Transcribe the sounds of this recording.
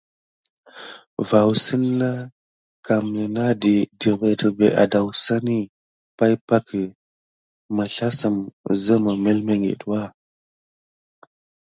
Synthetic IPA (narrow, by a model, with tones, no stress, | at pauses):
va˨wsə˦nː˦a˦ | ka˨m˨nə˨na˦di˨di˨be˨tə˨be˨ʔa̰˨da˨wsa˦ni˦ | pa˦jpa˦ki˨ | ma˨ɬa˦sə˨mzə˦ma˨me˦lme˦ŋɡḛ˨twa˦˨